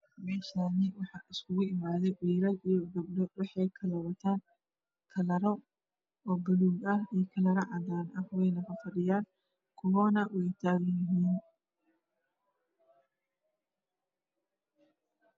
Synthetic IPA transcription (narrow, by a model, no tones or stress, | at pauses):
mɛːʃanɪwɑħɑʔɪskʰʊɣʊɪmaːðɛʕiːɾɐlʔijɔɡɐb̚dɔwɑħɑjkʰɐlɐɾɐt̪ʰaːn | kʰɐlɐɾɔ | ʔɔːbɐluːɡɐhijkʰɐlɐɾɐʕɑðaːnɐhwɛjnɐɣɐfɐɖɪjaːn | kʰʊwɔːnɐwɛjt̪ʰaːɣɐjɪɦiːn